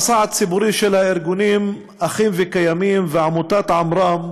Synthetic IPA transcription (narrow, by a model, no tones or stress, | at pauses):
saːʕat̪sɪbuɾiːʃelhaʔɪɾɡuniːm | ʔaxiːmvɪkajamiːmvɪʕamut̪aːt̪ʕamɾˤɑːm